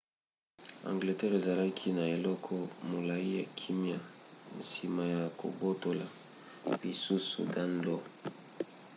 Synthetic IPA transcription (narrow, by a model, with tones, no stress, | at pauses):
a̰˨ŋɡle˨tɛ˦ʁe˨za˨la˦kʰi˦na˨e˨lɔ˦kʰɔ˦mo˨la˨i˦ja˨kʰi˦mja˦n̩si˨ma˨ja˨ko̰˨bo˦to˨la˨ | li˨su˦sṵ˨ɡa˦ndo˦